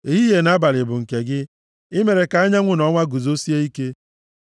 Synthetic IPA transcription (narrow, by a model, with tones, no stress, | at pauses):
e˨ɦi˦je˨na˦ba˨lɪ˨bʊ˨ŋ̩˨ke˨ɡɪ˦ | ɪ˦me˨ɾe˨ka˨˦a˦ɲa˦ŋʷʊ˦nɔ˦ŋʷa˦ɡu˨zo˦si˦e˦i˦ke˦